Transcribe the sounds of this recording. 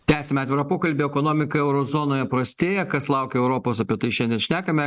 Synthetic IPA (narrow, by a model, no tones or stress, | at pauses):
t̪ʲæːsʲɛmʲɛɑːt̪ʋʲɪɾɐpoːkɐlʲbʲɪɛkoːnoːmʲɪkɐɛʊɾoːzoːnoːjɛpɾɐsʲt̪ʲeːjɛkɐslˠɐʊkʲɛɛʊɾoːpoːsɐpʲiɛt̪ɐɪʃʲɛnʲd̪ʲɛnʃʲnʲæːkɐmʲɛ